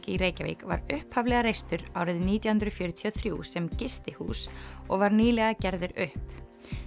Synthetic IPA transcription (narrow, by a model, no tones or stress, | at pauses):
cɪiɾeːjcavḭːkva̰ɾʏhphavlɛːɣaɾejst̪ʏɾaːwɾɪðniːt̪jahʏnd̪ɾʏfjœːɾʏt̪ʰiɔθɾjṵsɛmcɪst̪ɪhṵːsɔɣvaɾniːlɛɣacɛɾðɪɾʏhp